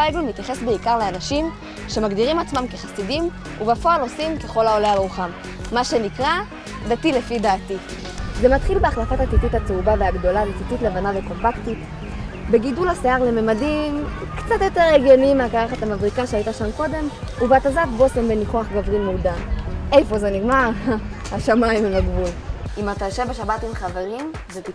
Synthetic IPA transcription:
eɡlumit̪jaχe̞sbeikaʁleanaʃim | ʃe̞maɡdiʁimat͡smamke̞χasidim | ubafo̞alo̞simke̞χo̞laolealʁuχamː | aʃe̞nikʁa | datile̞fidaːti | zemat̪χilbeaχlafatatitithat͡seubaveaɡdo̞lavetititlevanaveko̞mpaktit | be̞ɡidulaseaʁle̞memadimkt͡satjo̞te̞ʁeɡjonimakaʁaχatamavʁikaʃeaitaʃamko̞de̞m | ubeatazafbo̞sembeniχoaχɡavʁimudae̞jfo̞zeniɡmaʁhaʃamaimimaɡvulimat̪aʃebeʃabatimχave̞ʁim | zet̪i

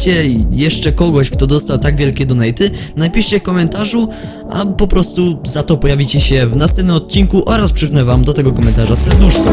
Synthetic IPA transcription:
t͡ɕɛjɛʂt͡ʂɛkɔɡɔɕkt̪ɔd̪ɔst̪awt̪aɡvʲjɛlkʲɛd̪ɔnɛjt̪ɘnapʲiʂt͡ɕɛkɔmɛnt̪aʐu | ʔa̰pɔpɾɔst̪uzat̪ɔpɔjavʲit͡ɕɛɕɛvnast̪ɛmp̪nmɔt̪̚t͡ɕːinkuʔɔɾaspʂɨpnɛvamd̪ɔt̪ɛɡɔkɔmɛnt̪aʐasɛd̪nuʂfa

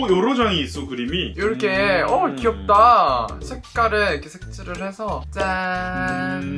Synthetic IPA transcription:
jʌɾʌd͡ʑaŋiːs͈oɡɯɾimijoɾkʰeʌkiʌp̚t͈asʰek̚k͈aɾɯɭikʰesʰek̚t͡ɕ͈ʰɯɾɯɭhe̞sʰʌt͡ɕ͈a

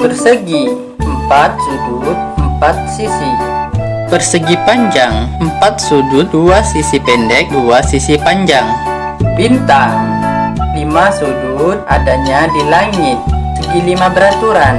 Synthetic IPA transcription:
bərsəɡi | əmpat̪̚sudut̪̚əmpat̪̚sisi | bərsəɡipaɲd͡ʒaŋəmpat̪̚sudut̪̚duasisipɛndɛk̚duasisipaɲd͡ʒaŋ | bint̪aŋ | limasudut̪̚a̰daɲadilaŋɪt̪̚səɡilimabəɾat̪uɾan

